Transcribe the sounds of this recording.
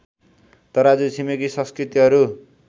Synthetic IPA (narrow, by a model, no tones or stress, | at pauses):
t̪ʌɾʌʌd͡zusʰimekisʌ̃skrit̪iɦʌɾu